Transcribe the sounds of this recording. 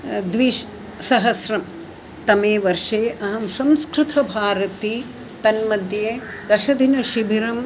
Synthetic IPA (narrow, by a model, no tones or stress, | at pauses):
d̪ʋiːʃ | sɐɦɐsɾɐm | t̪ɐmeːʋɐɾʂeːʔɐɦɐmsɐ̃mskɾɪt̪ʰɐbʱaːɾɐt̪i | t̪ɐnmɐd̪jeːd̪ɐʃɐd̪ʱinɐʃibʱiɾɐm